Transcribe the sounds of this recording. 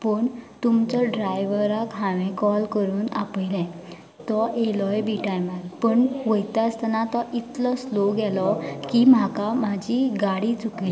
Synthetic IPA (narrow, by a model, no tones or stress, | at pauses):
pəːɳt̪umt͡ɕɔɖɾajʋəɾakɦãʋẽkɔlkəɾuːna̰pəjlɛ̃ | t̪ɔʔelɔjbiʈajmalpəɳʋəjt̪ast̪ənat̪ɔʔit̪lɔsloɡɛlɔkim̤akamad͡ʑiɡaɽit͡sukil